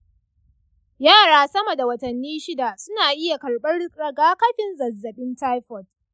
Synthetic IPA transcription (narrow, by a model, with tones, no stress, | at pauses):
jaː˦˨ɽaː˦sɐ˦mɐ˨da˨wɐ˨tɐ˨nːiː˦ʃɪ˦da˨sʊ˦naː˨ʔɪ˦ja˨kɐ˨lɓɐ˦ɽɾɐ˨ɡaː˦kɐ˦ɸɪ˨nzɐ˨zːɐ˨ɓɪ˦ntaː˦jɸɔ˨t̚